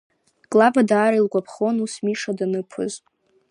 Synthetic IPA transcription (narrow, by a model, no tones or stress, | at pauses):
kʼlabadaːɾailɡʷʼapʰχo̞nusmiʂadanɨpʰɨ̰z